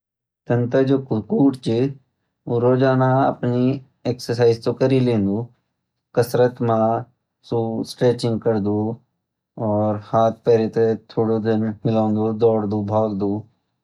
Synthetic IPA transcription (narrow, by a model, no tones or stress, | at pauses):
t̪ənt̪ad͡ʒoːkkuːʈt͡ʃi | oɾoːd͡ʒaːnaɐ̰pni | eːksəɾsaːɪzt̪okəɾilẽːnd̪u | kəsɾət̪mã | suːsʈɾeːt͡ʃɪ̃ŋɡ̚kəɾd̪uː | ɔːɾhaːt̪̚ʰpɛːɾit̪et̪ʰoːɽod̪ɪnmɪlãːʊ̃nd̪ud̪ɔːɽd̪uːbʱaːɡd̪uː